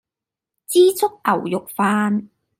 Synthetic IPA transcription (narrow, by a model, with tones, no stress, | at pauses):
t͡siː˥t͡sʰʊ˥k̚ʔɐ˨˩wjʊ˨k̚faː˧n